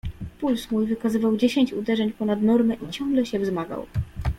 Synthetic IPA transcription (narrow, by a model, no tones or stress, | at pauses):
pulsmujvɘkazɘvawd͡ʑeɕeɲt͡ɕud̪ɛʐɛɲpɔnad̪nɔɾmɛʔit͡ɕɔ̃ŋɡlɛɕɛvzmaɡa̰w